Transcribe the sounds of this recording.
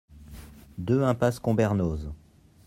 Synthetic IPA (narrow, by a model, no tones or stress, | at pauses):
d̪øɛ̃paskɔ̃bɛʁnoz